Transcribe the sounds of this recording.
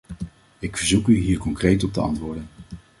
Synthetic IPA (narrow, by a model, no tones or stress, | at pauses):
ɪkfəɹzukyɦiːɹkɔŋkrejtɔp̚təɑ̰ntʋʊːɹdən